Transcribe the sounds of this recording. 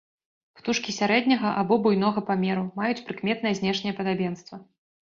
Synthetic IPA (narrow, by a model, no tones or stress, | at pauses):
pt̪uʂkʲisʲaɾɛd̪ʲnʲɐɣɐʔabɔbujnɔɣɐpamʲɛɾumajut͡sʲpɾɨkmʲɛt̪nɐjɛzʲnʲɛʂnʲɛjɛɐpɐd̪abʲɛn̪st̪vɐ